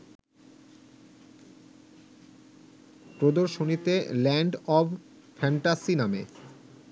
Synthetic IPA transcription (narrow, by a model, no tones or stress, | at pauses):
pɾod̪oɾʃonit̪elɛɳɖɔb | fʰɛɳʈasinamḛ